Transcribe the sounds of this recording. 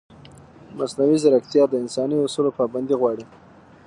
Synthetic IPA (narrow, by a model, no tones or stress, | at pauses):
masnawizaɾakt̪jɑd̪əɪnsɑniʊsulopɑband̪iɣwɑɽi